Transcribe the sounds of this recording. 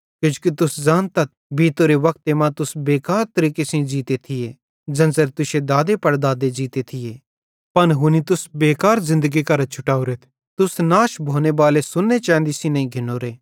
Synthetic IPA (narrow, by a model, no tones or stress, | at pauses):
kjʊd͡ʒu̥kit̪ʊsd͡ʒãːnt̪ɐt̪̚bʱiːt̪oɾeʋɐk̚t̪emãt̪ʊsbeːkaːɾt̪ɐɾiːkesĩd͡ʒiːt̪et̪ʰɪje | d͡ʒɐnsɐɾt̪ʊʃed̪aːd̪epɐɽd̪aːd̪ed͡ʒiːt̪et̪ʰɪjeː | pɐnɦʊnit̪ʊsbeːkaːɾzɪ̃nd̪əɡikɐɾt͡ʃʰʊʈaːuɾet̪ʰ | t̪ʊsnaːʃbʱoːnebaːlesʊnːet͡ʃɛ̃ːnd̪isĩnɐ̃ĩɡʱɪnoːɾeː